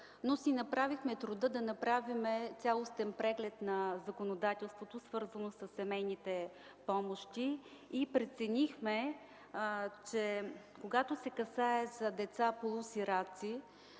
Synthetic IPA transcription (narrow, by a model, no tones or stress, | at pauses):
nosinɐpɾavixmɛt̪ɾʊd̪ɤd̪ɐnɐpɾavimɛt̪sʲjalˠost̪ɛnpɾɛɡlɛt̪nɐzɐkonod̪at̪ɛlˠst̪vot̪osvɤɾzənosɐsːɛmɛjnit̪ɛ | pɔmoʃt̪iːpɾɛt̪sɛnixmɛ | t͡ʃɛ | koɡat̪osɛkɐsaɛzɐd̪ɛt̪sapolˠusiɾat̪si